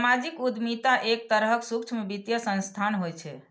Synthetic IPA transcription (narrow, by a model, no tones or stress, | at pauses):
mad͡ʒikud̪mit̪aʔek̚t̪əɾɦəksukt͡ʃʰmebit̪jəsə̃nst̪ʰanɦojt͡ʃʰɛ